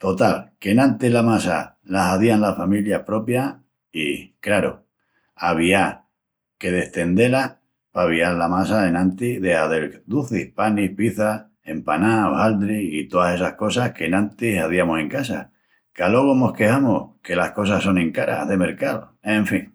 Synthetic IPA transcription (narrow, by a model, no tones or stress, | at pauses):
t̪o̞t̪alke̞nãnt̪ilamasa̰ | lasaðianlafamiljahpɾo̞pja | ikɾaɾo̰ | aβia | ke̞ð̞e̞st̪e̞nd̪e̞la | paβ̞iallamasaenãnt̪iðe̞haðeld̪uθihpanihpiθa | e̞mpanaohald̪ɾiit̪o̞ðase̞sahko̞sahke̞nãnt̪isaðiamose̞ŋkasa̰ | kalo̞ɣo̞mo̞hke̞hamohke̞lahko̞saso̞nẽ̞ŋkaɾa̰ðe̞me̞ɾkao | eɱfiŋ